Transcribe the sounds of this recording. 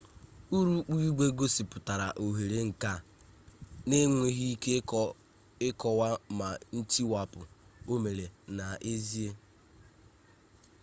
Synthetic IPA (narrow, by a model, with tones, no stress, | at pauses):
u˦ɾu˦k͡pu˦u˦ɡ͡be˦ɡo˦si˨pʊ˨ta˨ɾa˨ʔo˨ɦe˨ɾe˦ŋ̩˨ka˦˨ | ne˦ŋʷe˦ɦi˦i˦ke˦ | ɪ˦kɔ˨wa˦ma˨n̩˦t͡ʃi˦wa˨pʊ̰˨o˦me˨ɾe˨na˨ʔe˦zi˦e˦